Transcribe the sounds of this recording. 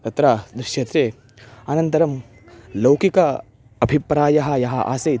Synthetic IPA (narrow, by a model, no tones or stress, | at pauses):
t̪ɐt̪ɾaːd̪ɾiʃjɐt̪ɾeː | ɐnɐnt̪ɐɾɐm | lɐwkikɐ | ɐbʱipɾaːjɐɦɐ̆jɐɦɐʔa̰ːse